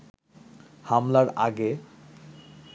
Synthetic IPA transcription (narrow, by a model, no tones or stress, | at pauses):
hamlaɾa̰ɡe